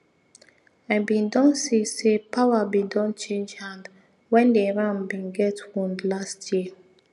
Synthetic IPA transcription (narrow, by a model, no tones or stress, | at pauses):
aɪbĩndɔ̃ŋsisepʰawabidɔ̃nt͡ʃẽnd͡ʒhãnd | wɛ̃ndeɹãmbĩnɡɛtwũndlastʰjiə